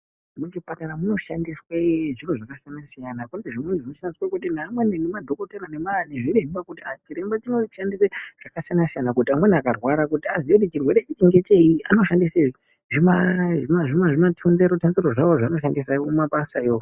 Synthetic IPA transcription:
mut͡ʃipataɾamuno̞ʃandisweʐinoʐakasijanasijanakuneeʐinenʐinoʃandiswakut̬inaːmwenenemadʱo̞koteɾanemaneʐiɾeʐimakutiat͡ʃiɾembat͡ʃinoʃandiseʐ̥akasijanasijanakutiamwe̞niakarwaɾakutiaziekutit͡ʃirwe̞ɾeit͡ʃiŋɡe̞t͡ʃe̞ia̰no̞ʃandise | ʐimaimaʐimaʐimatʰundeɾotanzeɾoʐawoʐano̞ʃandisaumaɓasajo

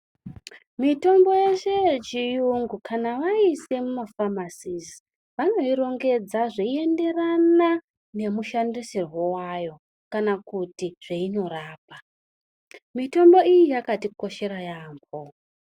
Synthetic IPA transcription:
mito̞mbo̞jeʃe̞t͡ʃijuŋɡukʰanaʋaise̞mumafamasizi | ʋano̞iɾo̞ŋɡe̞d͡zaʐeie̞nde̞rana | ne̞muʃandisirwo̞wajo̞ | kanakutiʐ̥eino̞ɾaːp̚a | mito̞mbo̞ijijakatiko̞ʃe̞ɾajaːmbo

